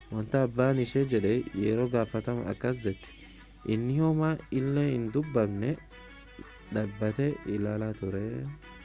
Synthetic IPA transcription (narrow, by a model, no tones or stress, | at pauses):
wɔnt̪ɐɐbːaːnɪʃeːd͡ʒɛᶑɛjeːɾo̞ːɡaːfɐt̪ɐmɐɐ̰kːɐs̬d̪ɛt̪ːɪ̥ | ʔɪnːɪhɔmaːɪlːeːhɪnd̪ʊbːɐmnɛ | ᶑ̪ɐbːɐt̪ɛɪlaːlaːt̪ʊɾɛ